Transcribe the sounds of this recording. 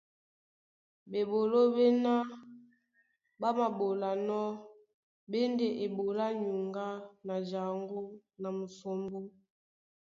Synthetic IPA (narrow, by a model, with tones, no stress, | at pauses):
be˨bo˨lo˦be˦na˦ | ba˦ma˨bo˨la˨nɔ˦ | be˦nde˨ʔe˨bo˨la˦ɲu˨ŋɡa˦na˨d͡ʒa˨ŋɡo˦na˨mu˨so˨mbo˦